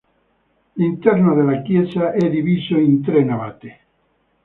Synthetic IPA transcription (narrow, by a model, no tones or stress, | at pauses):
lint̪ɛɾnoðelakjesaʔɛd̪iβisoint̪ɾenaβat̪e